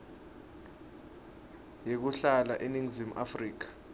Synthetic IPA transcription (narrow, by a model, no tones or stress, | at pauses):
jek̬uɬala̰ʔeniŋzimʔafriːk̬ḁ